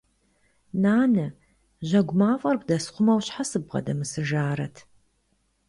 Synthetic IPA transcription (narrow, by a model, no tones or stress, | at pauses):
naːnɨ | ʑɐɡʷʊmaːfʼɐrɡʷdɐsχʷʊmɐwɕħasɨbʁɐ̰dɐmɨsɨʒaːɾɐtʰ